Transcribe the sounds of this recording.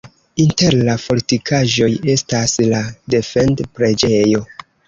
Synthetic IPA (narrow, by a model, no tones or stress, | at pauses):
inte̞ɾlafo̞lɾitikʰaʒo̞je̞staslade̞fe̞ndpɾe̞d͡ʒe̞jo̞